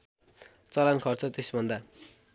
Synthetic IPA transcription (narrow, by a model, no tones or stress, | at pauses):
t͡sʌlankʰʌrt͡sʌt̪esbʱʌnd̪a